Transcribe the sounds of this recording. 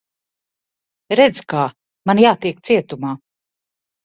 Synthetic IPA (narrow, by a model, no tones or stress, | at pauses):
ɾɛd̪zkaː | manjaːt̪iɛk̚t̪siɛt̪umaː